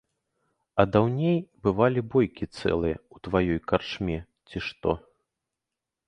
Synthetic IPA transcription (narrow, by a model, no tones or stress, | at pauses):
ɐd̪awnʲejbɨvalʲibɔjkʲit̪sɛ̰lˠɨjɐut̪vajɔjkart͡ʂmʲɛ | t͡sʲiʂt̪ɔ̰